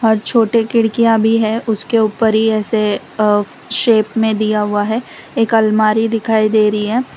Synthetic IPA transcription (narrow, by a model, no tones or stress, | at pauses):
ɦɔːɾt͡ʃʰoːʈekɪɽkijãbʱiɦɛʊskeuːpəɾɦiɛːse | ʃeːpmẽd̪ijaɦʊaɦɛ | eːkɐlmaːɾid̪ɪkʰaːid̪eːɾɐɦiɦɛː